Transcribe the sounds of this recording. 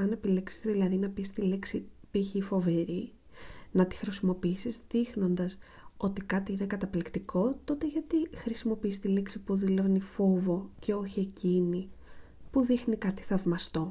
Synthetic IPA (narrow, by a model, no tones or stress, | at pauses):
ɐne̞pileksi̥zðilɐðinɐpist̪iliksipiçifo̞ve̞ɾi | nɐt̪i̥xɾisimo̞piisizðixno̞nd̪ɐs | o̞t̪ikɐt̪iinekɐt̪ɐplikt̪iko̞t̪o̞t̪e̞ʝɐt̪ixɾisimo̞piist̪iliksipuðilevnifo̞vo̞ce̞o̞çie̞cini | puðixnikɐt̪i̥θɐvmɐst̪o̞